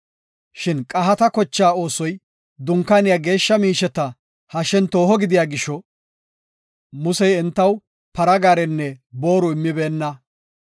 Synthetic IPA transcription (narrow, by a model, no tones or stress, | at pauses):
ʃɪnkʼɐɦɐt̪ɐkɔt͡ʃːaːo̞ːsɔj | d̪ʊŋkanɪjaːɡe̞ːʃːɐmiːʃɛt̪ɐ | hɐʃɛnt̪o̞ːhɔɡɪd̪ɪjaːɡɪʃɔ | mʊsɛjɛnt̪ːɐw | pɐɾɐɡaːɾɛnːɛbo̞ːɾʊɪmːɪbeːnːɐ